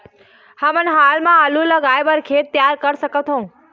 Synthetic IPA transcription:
həmənɦaːlmãəlũləɡajʋəɾkʰet̪ːjaɾkəɾsəkət̪ɦõː

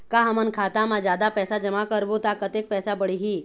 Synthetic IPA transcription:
kaɦɐmənkʰaːt̪amãd͡ʒjaːd̪apɛːsad͡ʒɐmakəɾbot̪akɐt̪ek̚pɛːsabəɽiɦiː

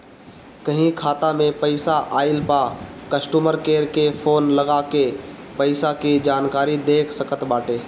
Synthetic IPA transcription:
kəɦĩkʰaːt̪amẽpəɪsaʔaːɪlpakəsʈuːməɾkeːɾkepʰoːnləɡakepəɪsakid͡ʒaːnkaːɾid̪eːkʰsəkət̪baːʈeː

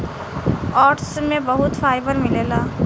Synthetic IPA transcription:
ɔːʈsmẽbɐɦʊt̪faːɪbəɾmɪleːlaː

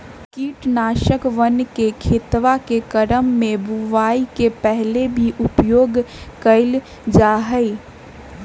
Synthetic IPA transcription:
kiːʈnaːʃəkʋənkekʰet̪ʋakekəɾəmːẽbuʋaːikepɛɦlebʱiʔʊpjoːɡkəɪl | d͡ʒaːɦəi

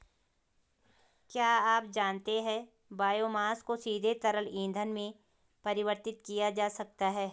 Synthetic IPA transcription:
kjaːaːp̚d͡ʒaːnt̪eɦɛ̃ | baːjoːmaːskosiːd̪ʱet̪ɐɾəlĩːnd̪ʱənmẽ | pɐɾɪʋəɾt̪ɪt̪kijad͡ʒaːsɐk̚t̪aɦɛː

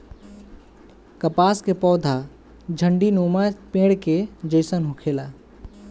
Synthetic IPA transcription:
kɐpaːskepɔːd̪ʱa | d͡ʒʱə̃ɳɖinoːmapẽːɽked͡ʒəɪsənɦʊkʰeːlaː

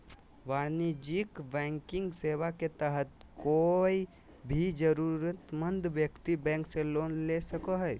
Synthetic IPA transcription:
ʋaːɾnid͡ʒɪkbɛ̃ːŋkɪ̃ŋɡseːʋaket̪əɦət̪ | koːi | bʱid͡ʒəɾuːɾət̪mə̃nd̪ʋjəkt̪ibɛ̃ːŋkseloːnlesəkoɦɛ

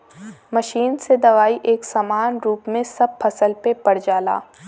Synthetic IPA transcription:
mɐʃiːnsed̪ɐʋaːiʔeːksaːmaːnɾuːpmẽsɐb̚pʰɐsəlpepɐɽ̤d͡ʒaːla̰ː

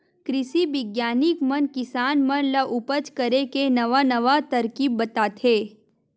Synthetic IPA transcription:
kɾɪsiʋɪɡjaːnikmənkɪsaːnmənləʔʊpət͡ʃkəɾekenɐʋanəʋat̪ɐɾkiːbːət̪at̪ʰeː

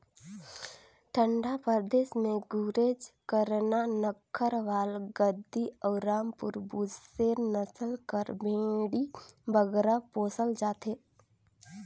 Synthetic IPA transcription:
ʈ̪ʰə̃ɳɖapəɾd̪eːʃmẽɡuːɾeːd͡ʒkəɾnanəkʰːəɾʋaːlɡəd̪ʱːiəʊɾaːmpʊɾbuːd͡ʒsenəsəlkəɾbẽːɽibʱəɡɾapoːsəld͡ʒaːt̪ɦeː

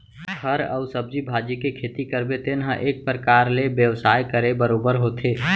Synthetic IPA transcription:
kʰəɾə̰ʊsəbd͡ʒibʱaːd͡ʒikekʰeːt̪ikəɾbet̪ɪnɦə̃ʔeːk̚pɾəkaːɾlebjəʋsaːjkəɾebəɾoːbəɾɦoːt̪ʰeː

